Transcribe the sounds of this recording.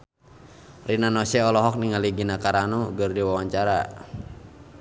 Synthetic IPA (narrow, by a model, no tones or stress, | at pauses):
rʔinanɔsɛɔlɔɦɔk̚niŋaliɡinakaɾanuɡərdiwawaɲt͡ʃaɾa̰